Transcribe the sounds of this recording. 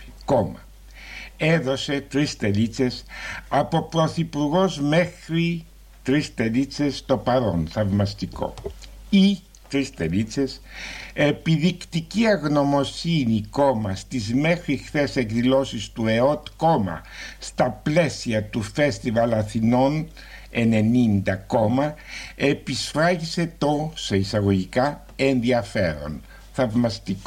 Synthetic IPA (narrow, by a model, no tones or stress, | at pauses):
komɐ | eðo̞se̞t̪ɾist̪e̞lit͡se̞sɐpo̞pɾo̞θipuɾɣo̞zme̞xɾi | t̪ɾist̪e̞lit͡se̞st̪o̞pɐɾo̞̰nθɐvmɐst̪iko̞̰i | t̪ɾist̪e̞̰lit͡se̞se̞piðikt̪iciɐɣno̞mo̞siniko̞mɐst̪izme̞xɾixθese̞kðilo̞sist̪ue̞o̞t̪ko̞mɐ̰st̪ɐple̞siɐt̪ufe̞st̪ivɐlɐθino̞n | e̞ne̞nind̪ɐkomɐe̞pisfɾɐʝise̞t̪o̞se̞isɐɣo̞ʝikɐ | e̞nðiɐfeɾo̞̰n | θɐvmɐst̪iko